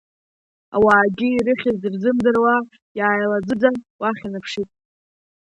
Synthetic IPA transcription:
a̰waːɡʲɪiɾɨχʲɪzirzɨmdɨrwa | jaːjlad͡zɨdawaχʲinɨpʰʂitʼ

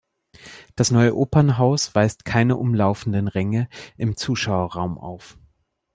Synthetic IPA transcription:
d̥asnɔʏəʔoːpɐnɦaʊsv̥aɪstkʰaɪnəʔʊmlaʊfn̩dənʁɛŋəʔɪmt͡suːʃaʊɐʁaʊmʔa̰ʊf

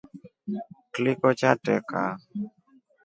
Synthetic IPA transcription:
klikɔt͡ʃatɛka

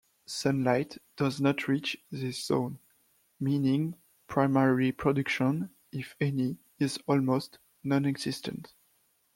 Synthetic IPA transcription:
sʌ̃nlajtd̥ʌznɔtʰɹit͡ʃðiszõ̰n | mĩnɪ̃ŋ | pʰɹaɪmɛɹipʰɹɔdʉkʃɔ̃n | ɪfɛni | ɪzɔlmost | nɔ̃nɛɡz̥ɪstʰə̰̃nt

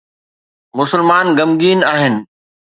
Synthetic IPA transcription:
mʊsɪlmaːnɡɐmɡiːnaːɦɪnɪ̆

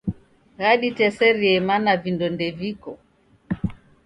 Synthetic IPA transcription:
ɣaɗitɛsɛɾiɛmanavindɔndɛvikɔ

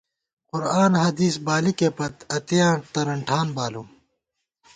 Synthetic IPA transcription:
qʊɾaːnɦɐd̪iːsbaːlikepɐt̪ɐt̪ijãːt̪ɐɾɐɳʈʰaːnbaːluː

